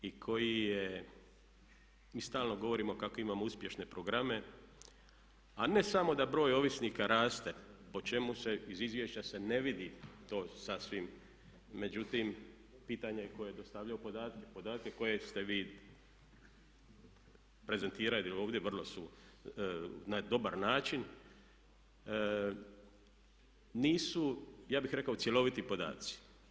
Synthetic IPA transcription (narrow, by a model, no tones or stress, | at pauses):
ikʰo̞jije | miːst̪aːlno̞ɡo̞ʋo̞ɾiːmo̞kako̞imaːmouspʲje̞ʃne̞pɾo̞ɡɾame̞ | ane̞samo̞d̪abɾo̞ːjo̞ʋisniːkaɾaːst̪e̞po̞t͡ʃe̞muse̞izizʋjeʃt͡ɕase̞ne̞ʋid̪it̪o̞ːsasʋimː | e̞d͡ʑut̪im | piːt̪aɲeko̞jed̪o̞st̪aʋʎajupo̞d̪aːt̪kepo̞d̪aːt̪̚ke̞ko̞je̞st̪e̞ʋiː | pɾe̞ze̞nt̪iːɾalot̪ilo̞ːʋd̪jeʋrlˠo̞su | nad̪o̞baɾnaːt͡ʃin | niːsujaːbixɾe̞kaot̪sje̞lo̞ʋit̪ipo̞d̪a̰ːt̪si̥